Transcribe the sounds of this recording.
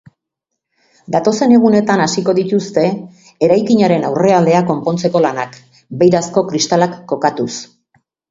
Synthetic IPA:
d̪at̪o̞se̞ne̞ɣ̞une̞t̪anasiko̞ðit̪ust̪e̞ | eɾajkiɲaɾe̞nawre̞ald̪e̞ako̞mpo̞nt͡se̞ko̞lanak | be̞jɾasko̞kɾist̪alakːo̞kat̪us

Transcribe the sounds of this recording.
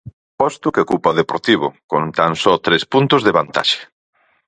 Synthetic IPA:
pɔst̪ʊkeokupɔðepoɾt̪iβ̞ʊkont̪ansɔt̪ɾespunt̪ʊzðeβant̪a̰ʃe̥

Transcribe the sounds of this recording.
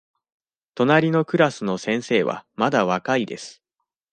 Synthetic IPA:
t̪o̞naɾʲino̞kɯ̟ɾasɨno̞sẽ̞ɰ̃se̞ːβa̰mad̪aβ̞akaid̪e̞̰sɨ̥

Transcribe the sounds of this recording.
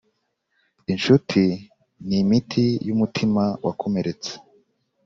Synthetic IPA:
inʃutʰi | nimitʰijumutʰimawʔakʰo̞me̞ɾe̞t͡se̥

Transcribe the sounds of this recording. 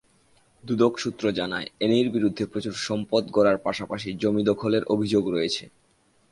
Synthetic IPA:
d̪ud̪okʃut̪ːɾod͡ʑanaeenejɾbiɾud̪ʱːepɾot͡ɕuɾʃɔmpod̪kɔɾaɾpaʃapaʃid͡ʑomid̪ɔkʰoleɾʔobʱid͡ʑoɡɾojet͡ɕʰe

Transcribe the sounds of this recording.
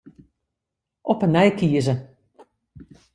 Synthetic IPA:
ʔɔpənɛjkiəzə

